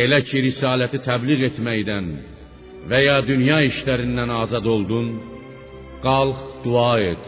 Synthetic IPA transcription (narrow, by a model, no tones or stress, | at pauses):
e̞læcʰiɾisɑːlæt̪ʰit̪ʰæbliɣe̞t̪ʰmæjd̪æn | væjɑːd̪ynjɑːiʃlæɾind̪ænɑːzɑd̪o̞lˠd̪un | ɡ̥ɑlˠχd̪̥uɑːed̪̥